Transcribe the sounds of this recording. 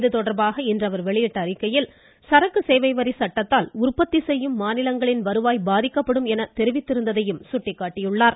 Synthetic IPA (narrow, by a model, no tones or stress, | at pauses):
ðɯt̪ɔɽɐɾbaːɣɐɪndrɐʋɐɾʋɛɭɪjɪʈːɐːɾɪkːɐjɪl | sɐɾɐkːɯsɛːjʋɐɪʋɐɾisɐʈːɐt̪ːaːlʊrpɐt̪ːisɛjːɯmːaːnɪlɐŋɡɐɭɪnʋɐɾɯʋaːjbaːðɪkːɐpːɐɽɯmɛnɐt̪ɛɾɪʋɪt̪ːɪɾɯnd̪ɐðɐjɯmsʊʈːɪkːaːʈːɪjɯɭːaːɾ